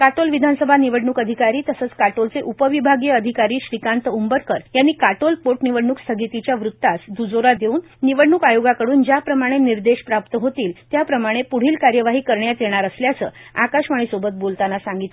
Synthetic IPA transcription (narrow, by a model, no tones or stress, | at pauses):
kaʈolʋid̪ʱansəbʱaniʋəɽɳuːkəd̪ʱikaɾiːt̪əsəːt͡skaʈolt͡seʔupəʋibʱaɡjəəd̪ʱikaɾiːɕɾikant̪əumbəɾkəɾjanːiːkaʈolpoʈniʋəɽɳukst̪ʰəɡit̪it͡ɕjaʋɾut̪ːasd̪ud͡zoɾad̪euːnːiʋəɽɳukajoɡakəɽuːnd͡ʑjapɾəmaɽ̃eniɾd̪eɕpɾapt̪əɦot̪iːlt̪japɾəmaɽ̃epuɽ̤iːlkaɾjəʋaɦiːkəɾɳjat̪jeɽ̃aɾəsljat͡səːakaɕʋaɽ̃isobət̪̚bolt̪anasãŋɡit̪